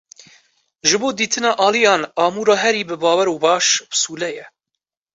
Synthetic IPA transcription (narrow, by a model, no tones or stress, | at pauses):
ʒɨboːd̪iːt̪ʰɨnɑːʔɑːlijɑːnɑːmuːɾɑːɦɛɾiːbɨbɑːwɛɾoːbɑːʃbɨ̥suːlɛjɛ